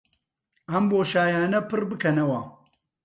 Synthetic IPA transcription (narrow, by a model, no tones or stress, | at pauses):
ɐmboːʃaːjaːnɐpɨɾbɨkɐnɐwɐ